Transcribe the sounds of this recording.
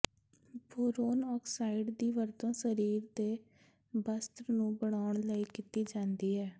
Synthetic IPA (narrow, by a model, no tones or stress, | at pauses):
boːɾoːnɔːksaːɪɖd̪iːʋəɾt̪õːsəɾiːɾd̪eː | bəst̪ɾnũːbəɽaːʊɳləiːkit̪iːd͡ʒãːnd̪iːɦɛː